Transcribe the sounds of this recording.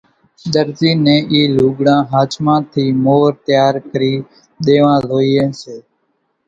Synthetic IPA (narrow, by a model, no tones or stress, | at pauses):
ɗ̪əɾziːnẽːʔiːluːɡɽãːɦaːt͡ʃmãːt̪ʰiːmoːɾt̪ɪjaːɾkəɾiː | ɗ̪eːʋãːloːiːẽːseː